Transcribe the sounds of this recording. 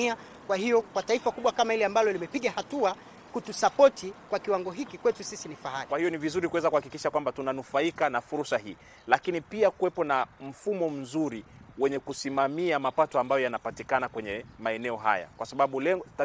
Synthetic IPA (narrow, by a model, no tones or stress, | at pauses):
ia | kwahijɔkwataifakuɓwakamailɛambalɔlimɛpiɠahatua | kutusapɔtʰikwakiwaŋɡɔɦikikwɛtusisinifahaikwahijɔnivizuɾikuwɛzakuhakikiʃakwambatunanufaikanafuɾusaɦiː | lakinipiakuwɛpɔnam̩fumɔm̩zuɾiwɛɲɛkusimamiamapatɔambajɔjanapatikanakwɛɲɛmaɛnɛɔɦa̰ja̰kwasaɓaɓulɛ